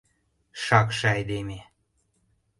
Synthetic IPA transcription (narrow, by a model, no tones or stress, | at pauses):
ʃɑkʃɑjd̪eme